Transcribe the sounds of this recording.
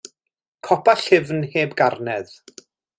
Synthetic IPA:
kʰɔpʰaɬɪvnheːbɡarnɛð̥

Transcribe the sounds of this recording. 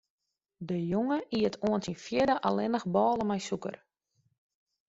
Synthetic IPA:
dəjoŋəʔiətʰoəntinfjɪdəʔa̰lɪnəxbɔːlˠəmɛjsukə̰r

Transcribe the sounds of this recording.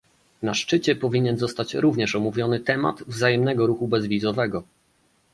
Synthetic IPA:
naʂt͡ʂɘt͡ɕɛpɔvʲiɲɛnzɔst̪at͡ɕɾuvɲɛʂɔmuvʲjɔnɘt̪ɛma̰t̪vzajɛmnɛɡɔɾuxubɛzvʲizɔvɛɡɔ

